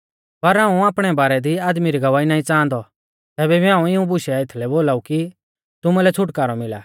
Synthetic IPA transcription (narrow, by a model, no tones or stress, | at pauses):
pɐɾɦãːũaːpɽ̃ɛbaːɾɛd̪iaːd̪miɾiɡɐʋaːinãːĩt͡sãːnd̪ɔ | t̪ɛːbɛbiãːũɪũbʊʃɛɪt̪ʰlɛboːlaːuki | t̪ʊmulɛt͡sʰʊʈkaːɾɔmɪla̰ː